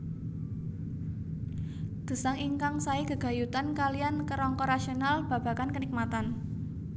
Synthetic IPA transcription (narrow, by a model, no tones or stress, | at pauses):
d̪̥ə̤saŋiŋkaŋsaikəɡ̥a̤jut̪ankaliankəɾɔŋkɔɾaʃionalb̥ä̤b̥a̤kankənik̚mat̪an